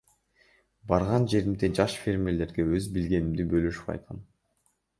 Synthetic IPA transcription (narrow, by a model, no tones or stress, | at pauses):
bɑɾʁɑnd͡ʒe̞ɾimd̪ed͡ʒɑʃfʲe̞ɾmʲele̞ɾɡe̞øzbilɡe̞nimd̪ibøløʃy̥p̚qʰɑ̰jt̪̚qʰɑ̰n